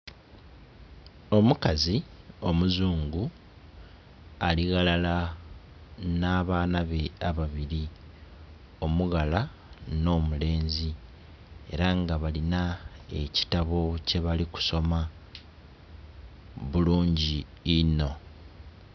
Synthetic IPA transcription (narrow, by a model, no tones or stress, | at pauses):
o̞mukazio̞muzuːŋɡu | aliɣalala | naːβaːnaβe̞aβaβiɾi | o̞muɣala | no̞ːmule̞ːnzi | e̞̰ɾaŋɡaβalinae̞ci̥taβo̞ce̞βaliku̥so̞ma | βuluːɲɟiːno̞